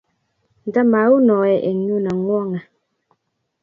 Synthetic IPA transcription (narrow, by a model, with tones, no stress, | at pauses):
n̩˨də˦ma˨u˦nɔ˨ɛ˨ʔe˨ŋ˦ɲu˦nə˨ŋwɔ˦ŋɛ˨